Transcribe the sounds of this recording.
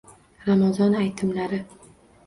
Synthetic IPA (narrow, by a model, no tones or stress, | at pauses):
ɾamazɒnajt̪ʰɪmlaɾɪ